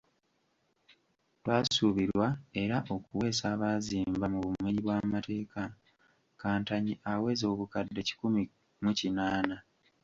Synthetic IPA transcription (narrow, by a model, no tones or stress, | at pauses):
twaːsuβiɾwae̞ɾaʔo̞kuwe̞ːsaːβaːziːmbamuβumeɲiβwaːmatʰe̞ːka | kaːntaɲiʔawe̞ːzo̞ːβukadːe̞ci̥kumi | mucinaːna